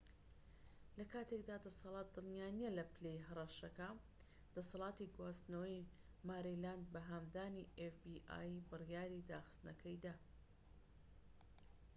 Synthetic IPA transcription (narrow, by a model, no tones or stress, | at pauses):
lɐkaːt̪ʰek̚d̪aːd̪ɐsɑlˠɑːt̪̚d̪ɨlnijaːnijelɐplejɦɐrˤɐʃɐkɐ | d̪̥ɐsɑlˠɑːt̪iɡwaːst̪nɐwɐj | maːɾiland̪̚bɐɦaːmd̪aːniʔefbiʔa̰jbɨrjaːɾid̪aːxɨ̥st̪nɐkʰɐjd̪aː